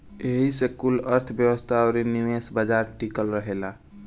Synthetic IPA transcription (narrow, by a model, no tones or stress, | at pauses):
eɦisekuləɾt̪ʰəbjəwəst̪ʰaɔɾinimesbad͡ʒaɾʈikəlɾəɦela